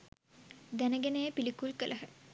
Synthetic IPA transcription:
d̪ænəɡenəjəpilikulkəlʔəɦə

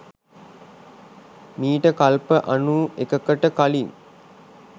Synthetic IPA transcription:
miːʈəkalpəʔanuekəkəʈəkaliŋ

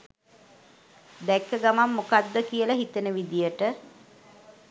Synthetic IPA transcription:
d̪ɛkːəɡamamːokad̪ːəkijəlaɦit̪ənəʋid̪ijəʈə

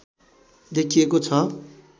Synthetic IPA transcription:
d̪ekʰiekot͡sʰʌ

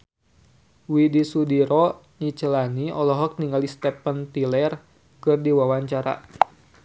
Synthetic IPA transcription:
widisudiɾɔ | ɲit͡ʃəlaniɔlɔɦɔk̚niŋɡalist̪ɛpənt̪ilɛr | kɨrdiwawaɲt͡ʃaɾa̰

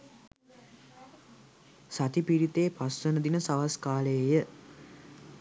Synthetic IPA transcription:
sat̪ipiɾit̪eːpasːənəd̪inəsaʋaskaːlejə

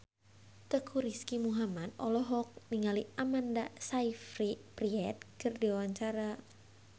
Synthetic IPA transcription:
t̪əkʰuɾiskimuɦamad̪ɔ̰lɔɦɔk̚niŋaliʔamandasaifɾipriɛt̪̚kɨrdiawaɲt͡ʃaɾa

